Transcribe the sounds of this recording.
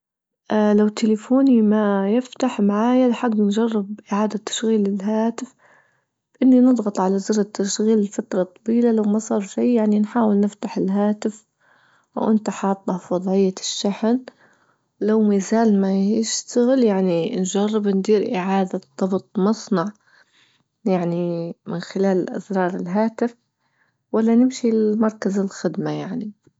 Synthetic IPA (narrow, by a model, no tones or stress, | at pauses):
ʔalawt̪ʰːɪlɪfuːnimajɪft̪aħmaʕaːjalaħaɡːnd͡ʒɑrˤːɪb̚ʔɪʕaːd̪at̪ːḁʃɣiːlɪlɦaːt̪ɪf | b̥ʔɪnːinɨd̪ˤɣɑt̪ˤʕalazɪɾˤɪt̪ːaʃɣiːlɪlfat̪ɾˤɑt̪ˤːɑbiːlalawmɑsˤɑːɾˤʃijjaʕninħaːwɪlnɪft̪aħɪlɦaːt̪ɪf | ʔa̰wʔɪnt̪aħɑːt̪ˤːɑfwɑd̪ˤʕɪjːaʃːaħn | lawmizaːlmajɪʃt̪aɣɪljaʕninʒarˤːɪbnd̪iːɾʔɪʕaːd̪ad̪ˤːɑbt̪ˤmɑsˤnɑʕ | jaʕnimɪnxɪlaːlʔa̰zɾˤɑːɾˤɪlɦaːt̪ɪf | walːanɪmʃilmɑɾˤkazɪlxɪd̪majaʕni